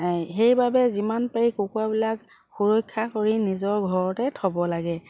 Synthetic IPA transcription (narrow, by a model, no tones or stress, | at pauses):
xejbabɛzimanpaɹikukuwabilak | xuɹokʰːakoɹinizɔɹɡʱɔɹɔtɛtʰɔbɔlaɡɛ